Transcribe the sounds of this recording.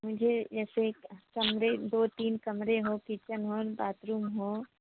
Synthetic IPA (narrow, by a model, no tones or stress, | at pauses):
mʊd͡ʒʱed͡ʒɛːsekkɐmɾed̪oːt̪iːnkɐmɾeɦokit͡ʃənɦɔːɾbaːt̪ɾuːmɦoː